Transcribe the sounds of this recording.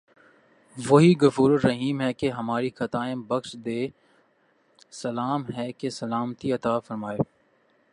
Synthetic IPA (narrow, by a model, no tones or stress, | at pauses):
ʋoɦiɡʊfuːɾəːɐɦiːmɦɛkeɦɐmaːɾixɐt̪aːẽbɐxʃd̪eː | sɐlaːmɦɛkesɐlaːmt̪iɐt̪aːfɐɾmaːeː